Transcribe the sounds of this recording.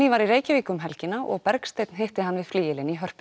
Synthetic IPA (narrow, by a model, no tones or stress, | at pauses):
ivaɾiɾeːjcɪviːkʏmɦɛlcɪnːaʔɔ̰ɣpɛɾkst̪ejt̪nɦeht̪ɪɦanːvɪðfliːjɪlɪniɦœr̥p